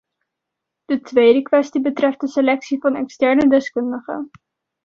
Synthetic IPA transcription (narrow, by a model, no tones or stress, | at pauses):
d̥ətʋejdəkʋɛstibətrɛft̚dəselɛksivɑnɛ̰kstɛɹnədɛskɵndəχə̰n